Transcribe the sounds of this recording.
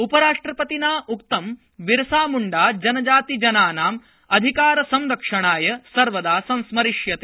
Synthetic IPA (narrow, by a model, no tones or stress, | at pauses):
upɐɾaːʂʈɾɐpɐt̪inaːukt̪ɐm | ʋiɾɐsaːmuɳɖaːd͡ʒɐnɐd͡ʒaːt̪id͡ʒɐnaːnaːm | ɐd̪ʱikaːɾɐsɐmɾɐkʂɐɳ̃aːjɐsɐɾʋɐd̪aːsɐ̃nsmɐɾiʂjɐt̪e